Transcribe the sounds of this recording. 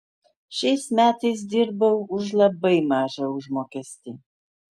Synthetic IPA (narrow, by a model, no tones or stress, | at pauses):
ʃʲɛɪsmʲæːt̪ɐɪs̬d̪ʲɪɾbɐʊʊʃlˠɐbɐɪmɑːʒɐʊʒmoːkʲɛsʲt̪ʲiː